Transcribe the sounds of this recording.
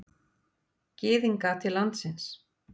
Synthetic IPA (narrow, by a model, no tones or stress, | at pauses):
cɪːðiŋkat̪ʰɪlːant̪sɪns